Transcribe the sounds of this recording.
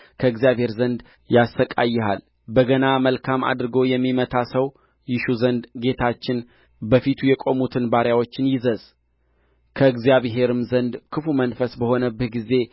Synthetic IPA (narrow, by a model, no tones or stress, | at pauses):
kʰəɨɡzjaβhe̞ɾzənd̪ | jasəkʼa̰jːɛɦa̰l | bəɡənaməlkʰama̰d̪ɾɨɡo̞jɛmːimət̪ʰasəw | jɪʃuzənd̪ɡe̞t̪ʰat͡ʃːɪn | bəfit̪ʰujɛkʼo̞mut̪ʰɨnbaɾjawo̞t͡ʃːɪnjɪzəz | kʰəɨɡzijaβɦe̞ɾɨmzənd̪kʰɨfumənfəsbəho̞nəbːɨhɡize̞